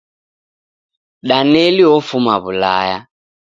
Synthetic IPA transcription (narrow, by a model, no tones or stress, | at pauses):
ɗanɛliɔfumaβula̰ja